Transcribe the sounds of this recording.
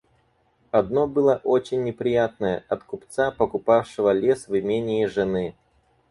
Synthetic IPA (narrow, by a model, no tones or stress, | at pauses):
ɐd̪no̞bɨlˠəʔo̞t͡ɕɪnʲːɪpɾʲɪjat̪̚nəjə̰ʔɐt̪kʊpt̪sapəkʊpafʂɨvəlʲesvɨmʲenʲɪːʐɨnɨ